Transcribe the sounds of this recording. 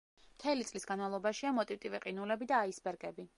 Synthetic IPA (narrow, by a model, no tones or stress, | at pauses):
mt̪ʰɛlit̪sʼlisɡanmalˠɔbaʃiamɔt̪ʼivt̪ʼivɛqʼinulɛbid̪aːisbɛɾɡɛbi